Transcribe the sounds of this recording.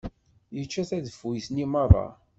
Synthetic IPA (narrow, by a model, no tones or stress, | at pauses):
jət͡ʃːæθæðəfujsnimɑrˤɑ̰